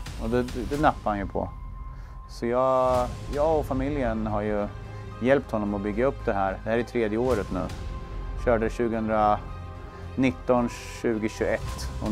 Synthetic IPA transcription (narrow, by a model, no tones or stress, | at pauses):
ɔd̪ɛd̪ɛnapːaɾhanjɵpʰɔ̰ | sɔjɑːjɑːɡɔfamɪljənɦaɾjɵ | jɛlp̚t̪hɔnːɔmɔbʏɡːaɵpːd̪ɛɦæːɾd̪ɛhæːɾɪt̪ʰɾeːd̪jəoːɾət̪nʉ̟̰ːɕœːɖəɕʉ̟ːɡəhɵnd̪ɾa | nɪt̪ːɔn | ɕʉ̟ːɡəɕɵɛt̪ːɔ